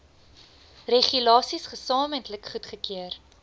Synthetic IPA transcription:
reχylɑːsisχəsɑːməntləkχutχəkiər

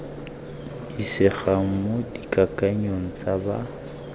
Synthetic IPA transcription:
disɪχaŋ̩modikʼakʼaɲoŋ̩t͡saba̰

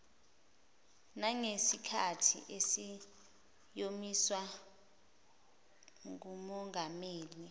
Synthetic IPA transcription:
naŋesikʰatʰḭʔesi | jomiswa | ŋumɔŋɡameːli

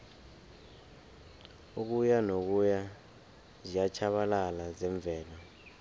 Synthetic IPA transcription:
uk̬ujanok̬uja | zijat͡ʃʰaɓalalazɛɱb̪vʱɛːla

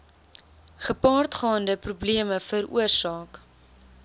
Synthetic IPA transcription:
χəpɑːrtχɑːndəprubliəməfəɾṵərsɑːk

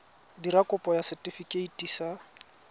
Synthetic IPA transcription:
diɾakʼʊpʼɔjasɛtʼifikʼeitʼisa

